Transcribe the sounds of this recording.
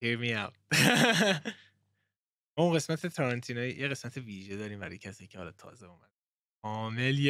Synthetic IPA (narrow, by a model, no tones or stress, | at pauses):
hiɹmiawt̪ | mɒːunɢe̞smæt̪ʰet̪ʰɒɾɑnt̪ʰinɒjijeɣe̞smæt̪ʰe̞viːʒe̞d̪ɒːɾiːmbæɾɒ̰jecʰæsiːjicʰehɒ̰lɒt̪ʰɒ̰ːzeumæd̪e | ɒːmelj